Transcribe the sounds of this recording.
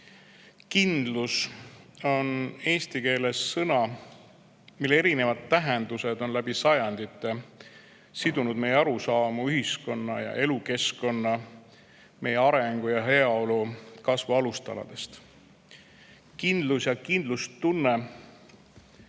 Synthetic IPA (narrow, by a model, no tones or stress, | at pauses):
kind̪lus | o̞ne̞ːst̪ike̞ːle̞sːɤnɑ | milːeeɾine̞vɑd̪̥̚t̪ːæɦe̞nd̪use̞d̪̥o̞nlæb̥isɑjɑnd̪it̪ːˑe | sid̪unud̪̥me̞jeɑɾusɑːmuyhisko̞nːɑjɑ̰ʔe̞luke̞sko̞nːɑ | mʔe̞jeɑɾe̞ŋɡ̥ujɑɦe̞ɑo̞lukɑsvuɑlust̪ɑ̰lɑ̰d̪̥e̞st̪ | kind̪lusjɑkind̪̥lust̪unːe